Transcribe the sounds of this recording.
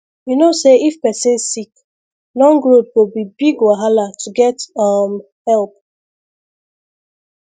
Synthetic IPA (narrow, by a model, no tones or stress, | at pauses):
winoseifpɛsĩnsik | lɔ̃ŋɡɾod̚bobibiɡwaɦalatuɡɛtam | hɛlp̚